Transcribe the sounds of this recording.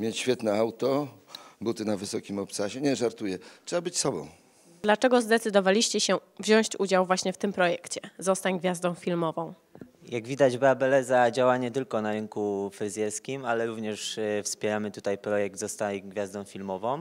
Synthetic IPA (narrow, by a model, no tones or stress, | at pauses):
mʲjet͡ɕɕfʲjɛt̪nɛawt̪ɔbut̪ɘnavɘsɔkʲimɔp̪saɕɛɲɛʐaɾt̪ujɛtʂɛbabɘt͡ɕsɔbɔ̰̃w̃ | d̪lat͡ʂɛɡɔzd̪ɛt̪sɘd̪ɔvalʲiɕt͡ɕɛɕɛ | vʑɔ̃w̃ɲ̃ɕt͡ɕud͡ʑawvwaɕɲɛft̪ɘmpɾɔjɛkt͡ɕɛzɔst̪aɲɡvʲjazd̪ɔ̃w̃fʲilmɔvɔ̃w̃ | jaɡvʲid̪ad͡ʑbabɛlɛzad͡ʑawaɲɛt̪ɘlkɔnaɾɘŋkufɾɘzʲjɛɾskʲimalɛɾuvɲɛʂfspʲjɛɾamɘt̪ut̪ajpɾɔjɛɡ̚d̪zɔst̪ajɡvʲjazd̪ɔ̃w̃fʲilmɔvɔ̃w̃